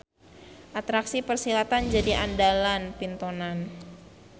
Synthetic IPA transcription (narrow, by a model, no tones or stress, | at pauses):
ʔat̪ɾaksipərsilat̪and͡ʒadiʔandalanpint̪onan